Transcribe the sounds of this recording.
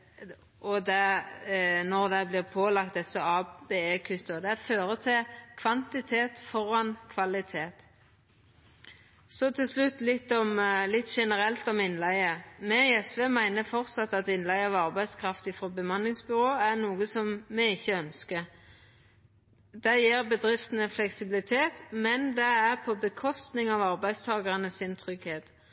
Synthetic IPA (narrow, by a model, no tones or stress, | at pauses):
ɔd̪ɛ | nɔʁd̪ɛblɪʁpʰoːlɑk̚t̪̚d̪ɛsəɑːb̥eːeːkʰʉt̪ːəʁd̪ɛæføːɾət̪ʰɪlkʰʋɑnt̪ɪt̪ʰeːt̪fɔɾɑnkʰʋɑlɪt̪ʰeːt̪ | sɔt̪ʰɪlslʉt̪ːlɪt̪ːɔmlɪt̪ːʃɛnəɾɛlt̪ɔmɪnlæɪəmɛɪɛsʋeːmæɪnəfɔʁt̪sɑt̪ːɑt̪ɪnlæɪəɑʋɑʁbæɪskʰʁɑft̪ɪfɾoːbəmɑnlɪŋsbʏʁoːæʁnuːɡəsɔmmɛɪçːəœnskə | d̪̥ɛjiːʁbəd̪ʁɪft̪nəflɛksɪbɪlɪt̪ʰeːt̪mɛnd̪ɛæʁpʰɔbəkʰɔst̪nɪŋɑʋɑʁbæɪst̪ʰɑːɡəʁənəsɪnt̪ʰʁʏɡheːt̪